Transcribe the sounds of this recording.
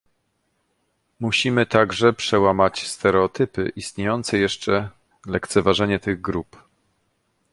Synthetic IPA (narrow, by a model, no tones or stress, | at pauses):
muɕimɘt̪aɡʐɛpʂɛwamat͡ɕst̪ɛɾɛɔt̪ɘpɘ̰ʔist̪ɲejɔnt̪sɛjɛʂt͡ʂɛ | lɛkt̪sɛvaʐɛɲɛt̪ɘɣɡɾup